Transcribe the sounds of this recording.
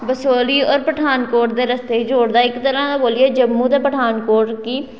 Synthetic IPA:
bəsoːliːɔːɾpəʈʰaːnkoːʈd̪eːɾəst̪eːid͡ʒoːɽd̪aːɪkt̪əɾãːaboːlieːd͡ʒəmːũːt̪aːpəʈʰaːnkoːʈkiː

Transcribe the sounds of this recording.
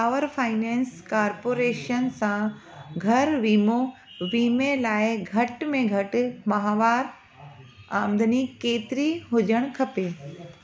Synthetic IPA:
paːʋəɾfaːɪnɛ̃ːnskaːɾpoːɾeːʃənsãɡʱɐɾʋiːmoʋiːmelaːɪɡʱɐʈmẽɡʱɐʈʊ̆mɐɦaːʋaːɾ | ãːmd̪ənikeːt̪ɪɾiɦʊd͡ʑʱəɽ̃kʰɐpeː

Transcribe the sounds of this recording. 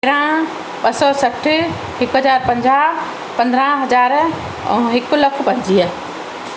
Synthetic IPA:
ɾã | ɓɐsɔsɐʈʰɪ | hɪkɦɐzaːɾpɐ̃ɲd͡ʑa | pɐ̃nd̪ʱɾãɦɐzaːɾ | ɔ̰̃ɦɪkʊlɐkʰpɐ̃ɲd͡ʑiə

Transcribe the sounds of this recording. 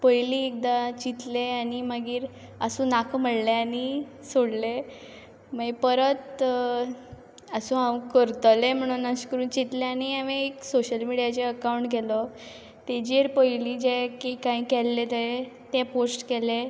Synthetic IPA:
pəjliːek̚d̪at͡ɕit̪leaniməɡiːɾ | əsũːnakʰməɽleani | soɽle | məjpəɾət̪ | əsũːɦãwkəɾt̪lem̤əɽ̃unaɕkəɾuːnt͡ɕit̪leaniaʋeeksoɕəlmiɽijat͡ɕeəkawɳʈɡʱɛlɔ | t̪ed͡ʑeɾpəjlid͡ʑɛkikaĩkɛlːet̪əet̪ɛposʈkɛle

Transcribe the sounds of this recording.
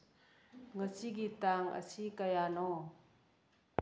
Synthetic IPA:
ŋəsiɡit̪aŋʔə̰sikajanɔ

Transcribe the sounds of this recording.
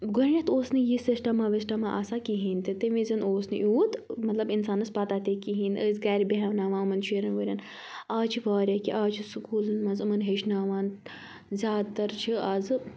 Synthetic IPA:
ɡoɾnʲɐt̪oːsnɨjisisʈɐmaːʋɐsʈɐmaʔɐsakiɦiːnʲt̪it̪eʋizɐnoːsnɨʔuːt̪mɐt̪lɐbinsaːnɐspaːt̪aːt̪ekiɦĩːnəːzɡaːɾʲibʲeɦɐʋnaːʋaːɨmɐnt͡ʃʰiːɾɐnʋɐɾʲɐn | aːt͡ʃʰifaːɾʲakiʔaːt͡ʃʰisukuːlɨnmɐnzɨmɐnɦeʃnaːʋaːn | zʲaːd̪t̪ɐɾt͡ʃʰiaːzɨ

